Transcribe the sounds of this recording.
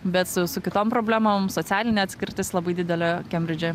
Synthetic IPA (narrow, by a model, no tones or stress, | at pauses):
bʲɛt̪sʊsʊkʲɪt̪oːmpɾoːbʲlʲæːmoːmsoːt̪sʲæːlʲɪnʲeːɐt̪sʲkʲɪɾʲt̪ʲɪslˠɐbɐɪd̪ʲɪd̪ʲɛlʲɛkʲɛmʲɾʲɪd͡ʒʲɛ